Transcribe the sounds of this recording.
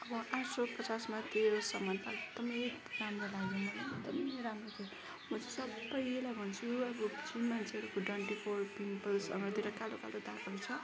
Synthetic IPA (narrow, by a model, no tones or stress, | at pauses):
ʌbʌʔasopʌt͡sasmat̪esʌmʌnt̪aek̚d̪̥ʌmʌjkramrolaɡenʌlak̚d̪ʌmɾamrot̪ʰe | mʌt͡sisʌbːʌjlajbʱʌnt͡sʰuʌbʌt͡sinmant͡sʰeɦʌɾukoʈwʌɳʈipʰorpimpʌlsʌmɾot̪iɾʌkalokalod̪akʌt͡sʰʌ